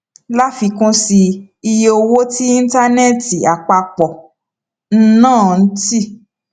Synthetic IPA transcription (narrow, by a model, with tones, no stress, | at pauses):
la˦fi˧kũ˦si˧ | i˧je˧o˧wo˦ti˦i˦n̩˦ta˦nɛ˦˨ti˨a˨k͡pa˧k͡pɔ˨ | n̩˦nãː˦˨n̩˦ti˦